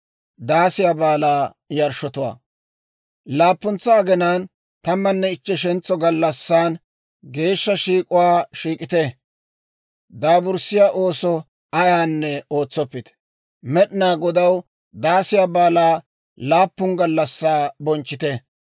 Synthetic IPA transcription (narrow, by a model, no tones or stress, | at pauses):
d̪aːsɪjabaːlaː | jɐɾʃɔt̪ʊwa̰ː | laːpːʊnt͡sːaːɡɛnaːn | t̪ɐmːɐnːɛɪt͡ʃːɛʃɛnt͡sːɔɡɐlːɐsːaːn | ɡe̞ːʃːɐʃiːkʼʊwaːʃiːkʼɪt̪ɛ | d̪aːbʊɾsɪjaːʔo̞ːsɔ | ɐjaːnːɛo̞ːt͡sːɔpːɪt̪ɛ̥ | mɛɗɪnaːɡɔd̪ɐw | d̪aːsɪjaːbaːlaː | laːpːʊŋɡɐlːɐsːaːbɔnt͡ʃːɪt̪ɛ